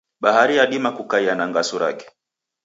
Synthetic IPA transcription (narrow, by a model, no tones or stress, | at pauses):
ɓaɦaɾijaɗimakukaianaŋɡasuɾa̰kɛ̥